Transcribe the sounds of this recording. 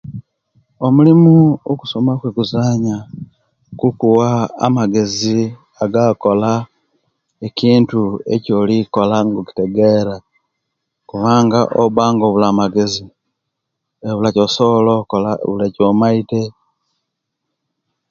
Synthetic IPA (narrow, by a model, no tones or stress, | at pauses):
omulimuoku̥so̞makwekuzaːɲa | kukuwa̰ːmaɡe̞zi | aɡako̞la | eciːntue̞̰co̞liko̞laŋɡoki̥te̞ɡe̞ɾa | kuβaːŋɡaʔoβaːŋɡoːβulamaɡe̞zi | eβulacosolokolaβulacomaite̞